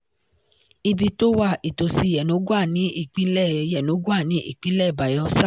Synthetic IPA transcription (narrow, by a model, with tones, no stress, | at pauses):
i˧bi˧to˦wa˦˨i˨to˨si˧˦˨jɛ˨no˨˦ɡu˦a˦˨nĩ˨˦ʔi˦˨k͡pĩ˨˦lɛ˦˨jɛ˨no˨˦ɡu˦a˦˨nĩ˨˦ʔḭ˦˨k͡pĩ˦lɛ˦˨ba˨jɔ˧sa˦˨